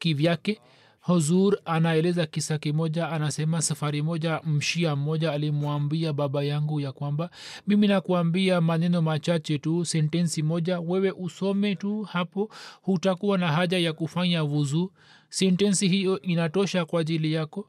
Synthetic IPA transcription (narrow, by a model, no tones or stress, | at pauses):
kivjakɛ | hɔzuɾanaɛlɛzakisakimɔʄaːnasɛmasafaɾimɔʄam̩ʃiam̩mɔʄaːlimwambiaɓaɓajaŋɡujakwambamiminakuambiamanɛnɔmat͡ʃat͡ʃɛtusɛntɛnsimɔʄawɛwɛʔusɔmɛtuhapɔhutakuwanaɦaʄajakufaɲavuzu | sɛntɛnsihijɔʔinatɔʃakwaʄilijakɔ